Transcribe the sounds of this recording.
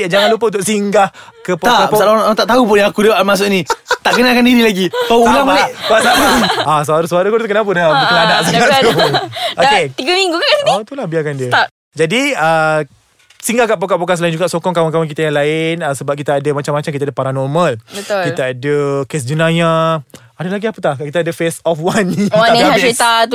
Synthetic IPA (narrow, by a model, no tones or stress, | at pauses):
d͡ʒaŋanlupəunt̪ʊkʔ̚siŋɡah | kəpot̪aapsalaalat̪aʔt̪aupʊnjãakudəmas̬ʊʔnit̪aʔkənakandiɾilaɡikauulaŋmalɪʔpasaasəaɾusəaɾəkut̪ukənapənabuaŋanaʔsaauoket̪iɡəmiŋɡukakasinit̪ulahbiakandiət̪a | d͡ʒadiə | siŋɡakaʔ̚pokaʔpokas̬laɪnd͡ʒuɡaʔsokɔŋkawaŋkawaŋk̬it̪ajaŋlaɪnəsəbap̚kit̪aːdamat͡ʃamːat͡ʃamkit̪adəpaɾanɔrmalbət̪ʊkiaadəkes̬d͡ʒənãjã | adalaɡiapət̪ahkit̪adəfesɔfwanːiaait̪at̪u